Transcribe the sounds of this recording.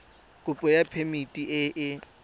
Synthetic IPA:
kʼʊpʼɔjapʰemitʼiʔɪʔɪ

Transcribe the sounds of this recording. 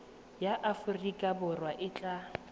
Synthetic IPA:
jaʔafʊrikʼabʊrwaʔɪt͡ɬʼa

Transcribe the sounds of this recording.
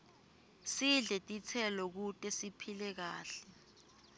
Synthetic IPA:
siɮɛtʼit͡sʰɛlɔk̬utʼɛsipʰilɛk̬aːɬɛ

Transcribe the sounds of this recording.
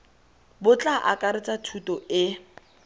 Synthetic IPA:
bʊt͡ɬʼaʔa̰kʼaɾɪt͡sʼatʰutʼɔɪ

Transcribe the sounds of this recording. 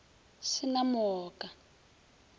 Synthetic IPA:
ʃinamɔːkʼa

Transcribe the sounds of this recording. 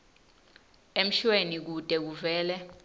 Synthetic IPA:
em̩ʃwenik̬ud̥ʼʱɛk̬uvɛːlɛ

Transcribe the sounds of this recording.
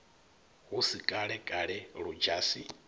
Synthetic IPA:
ɦusikʼaɺɛkʼaɺɛɺud͡ʒaːsi

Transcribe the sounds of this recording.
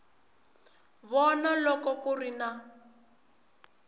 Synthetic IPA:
βɔnalɔkɔkurina

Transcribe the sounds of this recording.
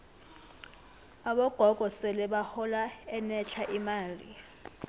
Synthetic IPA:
aɓɔɡ̥ʱɔɡ̥ʱɔsɛlɛɓahɔlaɛnɛt͡ɬʰaʔimaːlḭ

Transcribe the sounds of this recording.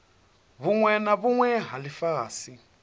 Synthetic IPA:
βuŋwɛnaβuŋwɛɦalifaːsi

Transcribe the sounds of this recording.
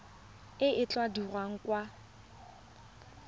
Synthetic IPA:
ɪʔɪt͡ɬʼwadirwaŋ̩kwa

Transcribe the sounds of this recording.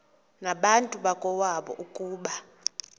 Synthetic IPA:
naɓantʼuɓakʼɔwaɓɔ̰ʔukʼuːɓa

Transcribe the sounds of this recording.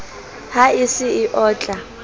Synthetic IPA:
haisɪːʔɔːt͡ɬʼa

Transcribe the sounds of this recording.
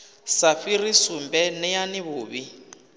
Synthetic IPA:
safirisumbɛnɛjaniβʊːβi

